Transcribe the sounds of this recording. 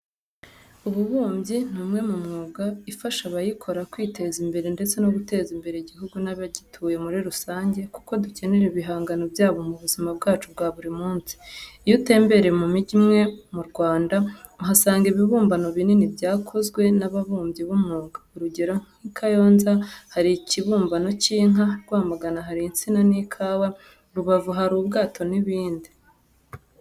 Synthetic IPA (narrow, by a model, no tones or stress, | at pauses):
uβuβuːmbɟin̥humŋe̞mumŋuːɡaifaʃaβajikʰo̞ɾakwiːte̞zimbe̞ɾe̞nde̞t͡se̞no̞ɡute̞ːzimbe̞ɾeiɟiɦuɡunaβaɟitʰuje̞muɾiɾusaːɲɟe̞ku̥ko̞duce̞ne̞ɾeβiɦaːŋɡano̞bjaːβo̞muβuzimabɡaːt͡ʃub̚ɡaːβuɾimuːnsi̥ijute̞ːmbe̞ɾemumiɟimŋe̞muɾɡwaːnda | uɦasaːŋɡiβiβuːmbano̞βininibjaːkʰo̞zɡwe̞naβaβuːmbjiβumuːŋɡauɾuɟe̞ɾo̞ŋ̥ikʰajo̞ːnzahaɾiciβuːmbano̞ciːŋ̥ɦaɾɡwaːmaɡanaɦaɾiint͡sinaniːkʰaːwa | ɾuβavuɦaɾuːbɡaːtʰo̞niβiːndi